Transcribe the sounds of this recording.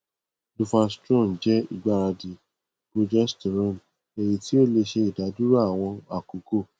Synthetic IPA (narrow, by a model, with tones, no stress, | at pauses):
lu˧fa˧stɾɔ̃˦˨n̩˨d͡ʒɛ˦ḭ˦˨ɡ͡ba˨˦˨ɾa˧di˨ | ɡ̥o˧d͡ʒa˦stɾɔ̃˦˨n˨ | e˨ji˧ti˦o˦˨le˧ʃe˧i˨da˨˦du˦ɾa˦a˨w̃ɔ̃˧a˨ku˨˦ko˦˨